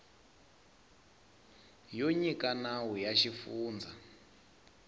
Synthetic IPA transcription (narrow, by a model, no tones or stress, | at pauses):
joɲikanawujaʃifuːnd͡za